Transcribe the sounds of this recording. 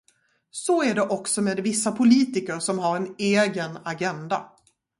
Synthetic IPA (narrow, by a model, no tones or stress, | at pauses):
sɔæɖɛʔɔksɔmeːd̪vɪsːapʰʊliːt̪ɪkəɾʂɔmɦaɾɛneːɡənaɡɛnd̪a̰